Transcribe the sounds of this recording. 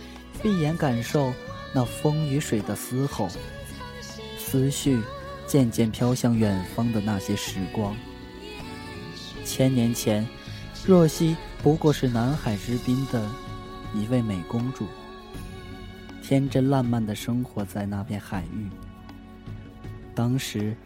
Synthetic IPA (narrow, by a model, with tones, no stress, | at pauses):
fi˥˩jɛ˧˥nka˨˩nʂo˥˧ʊna˥˩fɤ˥ŋy˧˥ʂwe˨˩ɪd̪ə˦sɹ̩˥xo˨˩ʊ | sɹ̩˥ɕy˥˩ | t͡ɕjɛ˥˧nt͡ɕjɛ˥˩npʰjɑ˥ʊɕjɑ˥˩ŋɥɛ˨˩nfɑ˥ŋd̪ə˨na˥˩ɕjɛ˥ʂɻ̩˧˥kwɑ˥ŋ | t͡ɕʰjɛ˥nnjɛ˧˥nt͡ɕʰjɛ˧˥n | ɻɔ˥˩ɕi˥ | pu˧˥kwɔ˥˧ʂɻ̩˥˩na˧˥nxa˨˩ɪʈ͡ʂɻ̩˥pi˥nd̪ə˨ | ni˨˧˥we˥˩ɪme˨˩ɪkʊ˥ŋʈ͡ʂu˨˩˦ | t̪ʰjɛ˥nʈ͡ʂə˥nla˥˧nma˥˩nd̪ə˩ʂɤ˥ŋxwɔ˧˥t͡sa˥˧ɪna˥˧pʰjɛ˥˩nxa˨˩ɪy˥˩ | t̪ɑ˥ŋʂɻ̩˧˥